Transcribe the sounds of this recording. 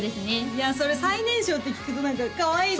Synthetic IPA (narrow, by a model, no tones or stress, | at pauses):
d̪e̞sɨne̞jaso̞ɾe̞sainẽ̞ɰ̃ɕoːt̪ːekʲi̥kɯt̪onait̪akaβaib